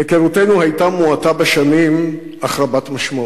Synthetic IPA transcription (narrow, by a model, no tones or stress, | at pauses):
ekeʁutenuhajtamuatabeʃanim | aχɾabatmaʃmo